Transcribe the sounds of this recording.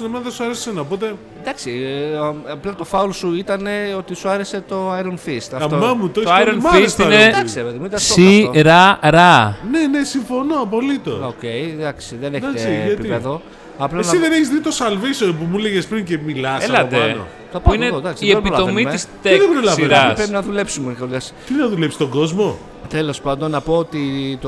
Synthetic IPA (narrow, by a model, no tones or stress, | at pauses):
snɐmenðesuɐɾessenɐopot̪e̞ | d̪ɐksi | ɐplɐt̪o̞fɐulosuit̪ɐne̞o̞t̪isuɐɾeset̪o̞ɐjɾonfist̪ɐft̪omɐmut̪ooajɾonfist̪ined̪ɐksepeðemuit̪ɐsoiɾɐɾɐnenesiɱfo̞noɐpo̞lit̪o̰socejd̪ɐksiðeneɐziɐtpiieðo | ɐplɐeniðeneçizðit̪osɐlvisopumuleʝespɾincemilɐselɐt̪eo | t̪ɐpɐuined̪ɐksiepilɐo̞miist̪eðebɾolɐseɾɐspɾepinɐðule̞psumenxolɐst̪inɐðule̞psi̥t̪oɡo̞zmo̞ | t̪elo̞spɐnd̪onːɐpo̞ot̪it̪o